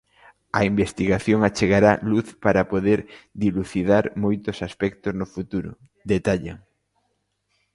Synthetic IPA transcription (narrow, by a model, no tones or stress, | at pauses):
ɐimbest̪iɣaθjoŋat͡ʃeɣaɾaluθpaɾapoðeɾd̪iluθið̞aɾmojt̪ʊsaspɛk̚t̪oznofut̪uɾʊ̰ | d̪et̪aʎaŋ